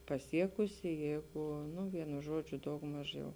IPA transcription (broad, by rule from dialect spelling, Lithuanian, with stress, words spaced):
pɐˈsʲiɛkʊsʲɪ ˈjɛɪɡʊ nʊ ˈʋʲiɛnʊ ˈʒoːd͡ʒʲʊ dɐʊɡˈmɐʃ jɛʊ